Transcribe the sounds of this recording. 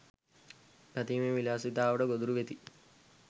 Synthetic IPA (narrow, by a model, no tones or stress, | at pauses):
pat̪iːmeʋilaːsit̪aːʋəʈəɡod̪uɾuʋet̪i